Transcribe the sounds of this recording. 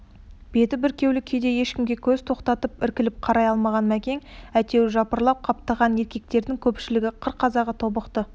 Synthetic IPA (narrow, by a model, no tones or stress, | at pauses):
b̥e̞t̪ɪbɪɾkʲe̞wlɪkʲʰe̞d̪e̞je̞ʃkʲɪmɡʲe̞kʲʰɵz̥t̪ʰo̞qt̪ɑt̪əpɪɾkʲɪlɪp̚qʰɑɾɑjɑlˠmɑʁɑnmækʲe̞ŋæt̪e̞wʒɑpəɾlˠɑp̚qʰɑp̚t̪ɑʁɑnje̞ɾkʲe̞k̚t̪e̞ɾd̪ɪŋkʲʰɵpʃɪlɪɡʲɪqʰəɾqʰːɑzɑʁət̪ʰo̞bəqt̪ə